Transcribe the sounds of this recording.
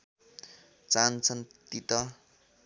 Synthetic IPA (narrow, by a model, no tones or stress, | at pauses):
t͡sant͡sʰʌnt̪it̪ʌ